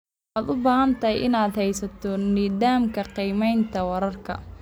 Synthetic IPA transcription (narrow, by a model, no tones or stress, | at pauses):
ħaːd̪ʊbaːɦɐnt̪ʰɐɦɛjʔɪnaːd̪hɛjsɐt̪ʰɔniːdaːmkʰɐqiːmɛjnt̪ʰɐwɐɾɐrkʰɐ̰